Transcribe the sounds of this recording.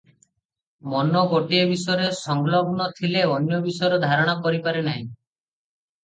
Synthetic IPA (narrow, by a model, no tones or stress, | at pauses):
mɔnɔɡoʈiebisɔjɔɾesɔŋɡlɔbnɔt̪ʰileɔnjɔbisɔjɔɾɔd̪ʱaɾɔɽ̃akɔɾipaɾenaɦĩ